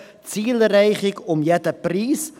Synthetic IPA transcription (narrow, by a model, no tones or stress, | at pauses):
t͡siːlɾɛjχɪkɔmjɛtəpris